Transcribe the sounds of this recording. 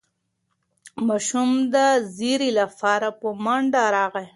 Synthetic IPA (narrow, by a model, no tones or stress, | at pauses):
maʃumd̪aziɾilafɑːɾapomaɳɖaɾɑːɣe